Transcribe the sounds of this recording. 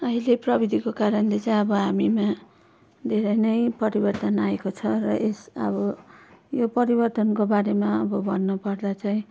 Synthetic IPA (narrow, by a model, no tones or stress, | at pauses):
ʌɦileprʌbid̪ʱikokaɾʌnlet͡saj̃ʌbʌɦamima | d̪ʱeɾʌjnʌjpʌɾibʌrt̪ʌnaekot͡sʰʌrʌʔesʌ̰bʌjopʌɾibʌrt̪ʌnkobaɾemaʌbʌbʱʌnːopʌrd̪at͡saĩ